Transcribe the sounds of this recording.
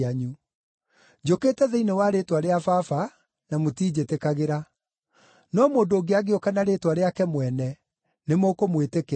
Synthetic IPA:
aɲu | d͡ʑoketɛðɛinewaɾetwaɾeafafa | namotiːd͡ʑetekaɣeɾa | nɔmoːndoːɡeaɣeɔkanaɾetwaɾeakɛmwɛnɛ | nemokomweteke

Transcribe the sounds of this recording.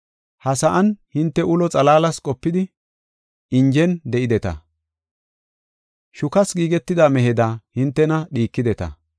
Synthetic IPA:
hɐsɐʔɐnhɪnt̪ːɛʔʊlɔt͡sʼɐlaːlɐskʼɔpːɪd̪ɪ | ɪnd͡ʒɛnd̪ɛʔɪd̪ɛt̪ɐ̰ | ʃʊkɐsɡiːɡɛt̪ːɪd̪aːmɛɦɛd̪ahɪnt̪ːɛnɐɗiːkːɪd̪ɛt̪ɐ̰

